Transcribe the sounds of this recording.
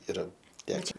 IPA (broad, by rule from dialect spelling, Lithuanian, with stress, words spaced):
ɪˈrɐ ˈtʲæːkʲɛ